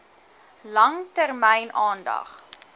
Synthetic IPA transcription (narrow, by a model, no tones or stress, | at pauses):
lɐŋtərmɛjnʔɑːndɐ̰χ